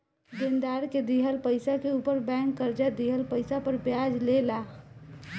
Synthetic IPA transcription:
d̪ɪnd̪aːɾked̪iɦəlpəɪsakeuːpəɾbɛ̃ːŋkːəɾd͡ʒad̪iɦəlpəɪsapəɾbjad͡ʒlela

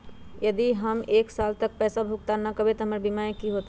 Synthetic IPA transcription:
jɐd̪iɦəmeːksaːlt̪ək̚pɛːsabʱuk̚t̪anɐkəbʱet̪ɔɦəməɾbimaẽkiɦoːt̪

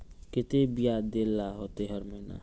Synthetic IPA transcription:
kɪt̪ebijad̪elːaɦot̪eɦəɾməɦna̰

